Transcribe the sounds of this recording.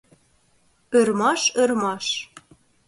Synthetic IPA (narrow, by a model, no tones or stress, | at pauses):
ørmɑʃørmɑʃ